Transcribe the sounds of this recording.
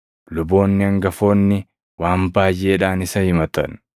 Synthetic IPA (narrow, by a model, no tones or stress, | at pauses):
lʊbo̞ːnːɪɐŋɡɐfo̞ːnːɪ | waːmbaːjʔe̞ːᶑaːnɪsɐhɪmɐt̪ɐ̰n